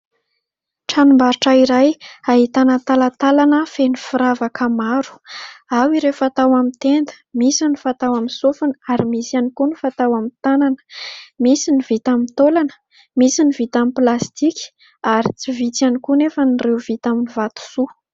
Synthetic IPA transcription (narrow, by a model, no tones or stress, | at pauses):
ʈ͡ʂanumbaɾuʈ͡ʂəiɾajaɦit̪anət̪alat̪alanəfenifiɾavakəmaɾu̥awiɾefat̪awamit̪end̪ə̥misinifat̪awaminsufunəaɾimisanikunifat̪awamint̪ananə̥misinivit̪amint̪olanə̥ | misinivit̪amiplast̪ikʲi̥ | aɾit͡sivit͡sanikunefənirewvit̪aminivat̪u̥su